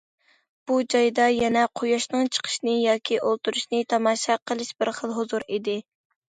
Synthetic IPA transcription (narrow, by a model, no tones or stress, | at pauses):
b̥ud͡ʒɑjd̪ɑjɛnɛqʰojɑʃnɨŋt͡ʃʰə̥qʰə̥ʃnɨjɑːkʲʰiʔolˠt̪uɾuʃnɨt̪ʰɑmɑːʃɑqʰəlˠɨʃbɪɾχəlˠɦuzuɾid̪ɪ